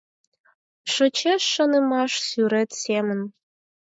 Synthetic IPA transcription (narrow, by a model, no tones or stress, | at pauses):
ʃət͡ɕeʃːɤ̆nəmɑʃsyɾet̪semə̆n